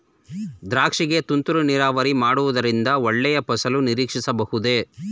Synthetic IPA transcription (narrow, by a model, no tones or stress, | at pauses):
d̪ɾaːkʂiɡe̞t̪unt̪uɾuniɾaːʋɐɾimaːɽuʋud̪ɐɾind̪ɐɔɭːɛjɐpɐsɐluniɾiːkʂisɐbɐhud̪e̞ː